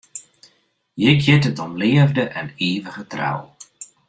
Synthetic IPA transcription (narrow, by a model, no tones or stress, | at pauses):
jɪkʰjɪtətɔmlɪəvdəʔɛneːvəɣətra̰w